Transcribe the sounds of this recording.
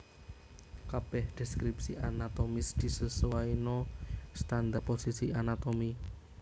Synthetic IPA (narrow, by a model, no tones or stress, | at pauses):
kab̥ɛhd̪̥ɛskɾipsiʔanat̪omɪsd̪̥i̤səswainɔst̪and̪aposisianat̪omi